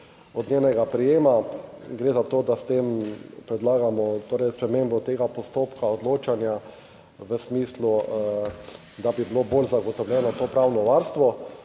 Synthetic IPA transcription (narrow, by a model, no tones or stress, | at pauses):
ɔd̪nʲjeːnɛɡapɾɛjeːmaɡɾeːzat̪oːd̪ast̪empɾɛd̪laːɡamɔt̪oːɾɛjspɾɛmembɔt̪eːɡapɔst̪oːpkaod̪loːt͡ʃanja | ʋəsmiːslu | d̪abibiloboːlzaɡɔt̪ɔwlʲjɛːnɔt̪oːpɾawnɔʋaɾst̪ʋɔ